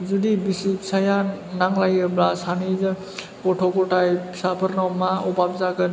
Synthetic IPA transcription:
zudibisipsajanaŋlajɯblasanizɯ | kɔʈʰɔkɔʈajpʰsapʰɯɾnɔmaɔbabzaɡɯn

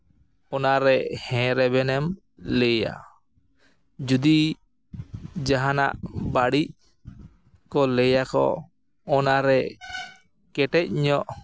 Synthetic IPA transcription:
ɔnaɾɛhɛ̃ɾɛbɛnɛm | lɛja̰ | d͡ʒud̪i | d͡ʒaɦana̰ʔbaɽic̚ | kɔlɛjakɔ̰ | ɔnaɾɛ | kɛʈɛc̚ɲɔʔ

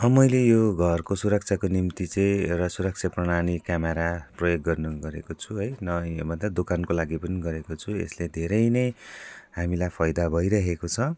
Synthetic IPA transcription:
ʌmʌjlejoɡʱʌrkosuɾʌk̚t͡sʰakonimt̪it͡sʌj̃rʌsuɾʌk̚t͡sʰaprʌɽ̃aɽ̃ikameɾaprʌjoɡːʌrnʌɡʌɾekot͡sʰuɦʌjnʌmʌnt̪ʌd̪okankolaɡipʌniɡʌɾekot͡sʰuḛsled̪ʱeɾʌjnʌjhamilajpʰʌjd̪abʱʌjɾʌɦekot͡sʰʌ

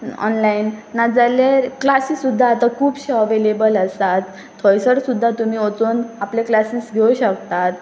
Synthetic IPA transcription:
ɔ̰nlainːad͡zaleɾklasisud̪ʱːaːt̪akʰuːbɕɔʋelebələsat̪ːʰ | ɔjsəɽsud̪ʱːat̪umiːot͡sonaplẽklasiːsɡʱewuɕəkt̪at̪̚

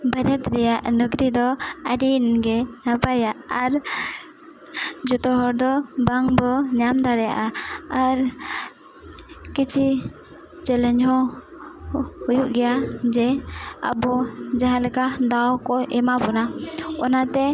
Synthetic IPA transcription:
bəɾɛt̪ɾɛjaʔnuɡɾid̪ɔəɖinɡɛnapajaʔːɾ | d͡ʒut̪ɔɦɔɾd̪ɔbaŋbɔɲamd̪aɽɛja̰ʔaaɾ | kit͡ʃʰi | t͡ʃɛlɛɲɦɔ̃ | hujuʔɡɛjad͡ʒɛə̰bɔd͡ʒaɦãlɛkad̪awkɔʔɛmabɔnaɔnat̪ɛ

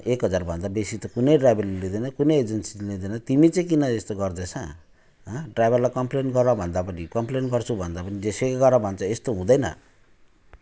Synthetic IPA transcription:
ekɦʌd͡zarbʱʌnd̪abesit̪okunʌjɖrajbʱʌrleled̪ʌnʌkunʌjed͡zensiled̪enʌt̪imit͡sʌ̃j̃kinʌest̪oɡʌrd̪et͡sʰʌ̃ | ɦʌɖrajbʱʌrlajkʌmplenɡʌɾabʱʌnd̪apʌnikʌmplenɡʌrt͡sʰubʱʌnd̪apʌnid͡zesekɡʌɾabʱʌnt͡sʰʌest̪oɦũd̪ʌjnʌ̰

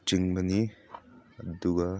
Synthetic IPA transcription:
t͡ʃiŋbɐni | ɐduɡɐ

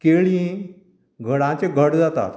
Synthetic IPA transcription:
keɭĩ | ɡʱəɽãt͡ɕeɡʱəɽd͡zat̪a̰t̪

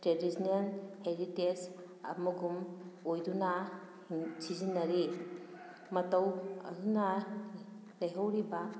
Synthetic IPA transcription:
teɾisnɐnheɾites | ɐ̰muɡumojdunɐ | sizinːɐɾi | mɐtɐwɐ̰ɦunɐ | lɐjɦawɾiba

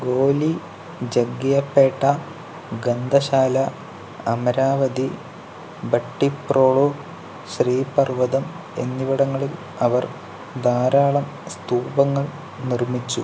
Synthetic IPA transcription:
ɡoːli | d͡ʑɐɡːijɐpːeːʈːɐ | ɡɐnd̪ʱɐɕaːlɐ | ɐmɐɾaːʋɐd̪i | bɐʈːiproːɭo | ɕriːpɐrʋɐðɐm | enːiʋɐɽɐŋːɐɭil | ɐʋɐr | d̪aːɾaːɭɐm | st̪uːbɐŋːɐɭ | nirmit͡ɕːu

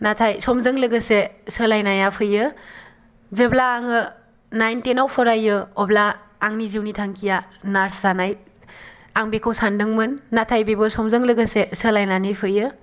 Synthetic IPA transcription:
natʰajsɔmzɯŋlɯɡəsesəlajnajapʰɯjɯ | zeblaːŋɯ | najntenawpʰɔɾajɯɔblaː | ŋniziwnitʰaŋkʰijanaɾszanaj | aŋbekʰɯwsandɯŋmɯnːatʰajbebɯsɔmzɯŋlɯɡɯsesəlajnanɯjpʰɯjɯ

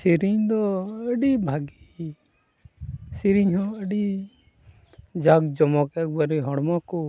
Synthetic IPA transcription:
siɾiɲd̪ɔəɖibʱaɡi | siɾiɲɦɔ̃əɖi | d͡ʒaɡd͡ʒɔmɔkɛk̚baɾiɦɔɽmɔku

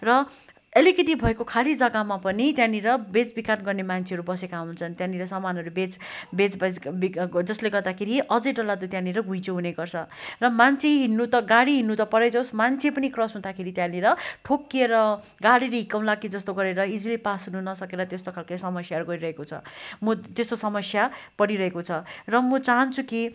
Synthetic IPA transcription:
rʌ | ʌlikʌt̪ibʱʌekokʰalid͡zʌɡamapʌnit̪jãniɾʌbet͡sbikanɡʌrnemant͡sʰeɦʌɾubʌsekaɦunt͡sʰʌnt̪jãniɾʌsamanʌɾubet͡sbed͡zbʌbid͡zʌsleɡʌrd̪akʰeɾiʔʌd͡zʌjʈʌlad̪ot̪jãliɾʌɡũj̃t͡sʰoɦuneɡʌrt͡sʰʌrʌmant͡sʰeɦinːut̪ʌɡaɽiɦinːut̪ʌpʌɾʌjd͡zʌwsmant͡sʰepʌnikrʌsɦũd̪akʰeɾit̪jãliɾʌʈʰokːeɾʌ | ɡaɽiɾʌɦikaw̃lakid͡zʌst̪oɡʌɾeɾʌid͡zilipasɦununʌsʌkeɾʌt̪est̪okʰalkʌjsʌmʌsjaʌɾuɡʌɾiɾʌɦekot͡sʰʌ̰mʌt̪est̪osʌmʌsjapʌɽiɾʌɦekot͡sʰʌrʌmʌt͡saɦʌnt͡sʰuki

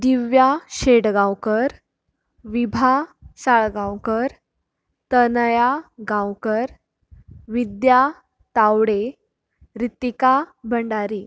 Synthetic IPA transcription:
d̪iʋjaɕeɽɡãwkəɾ | ʋibʱasaɭɡãwkəɾ | t̪ənjaɡãwkəɾ | ʋid̪ja | t̪awɽe | ɾit̪ːikabʱəɳɖaɾiː

